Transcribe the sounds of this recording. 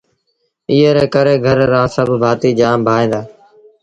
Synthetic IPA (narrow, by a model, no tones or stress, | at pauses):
iːɦəɾeːkəɾeːɡʱəɾɾãːsəbʱbʱaːt̪iːd͡ʒaːmbʱaːẽːnd̪aː